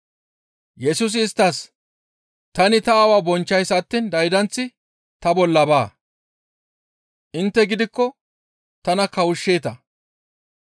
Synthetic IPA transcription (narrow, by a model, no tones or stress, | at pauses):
jɛsuːs̬ɪːst̪ːɐs | t̪ɐnɪt̪ɐːwaːbɔnt͡ʃːɐjsɐt̪ːiːnd̪ɐjd̪ɐnt͡sːɪ | t̪ɐbɔlːɐbaː | ʔɪnt̪ːɛɡɪd̪ɪkːɔ | t̪ɐnɐkɐwʊʃːeːt̪ɐ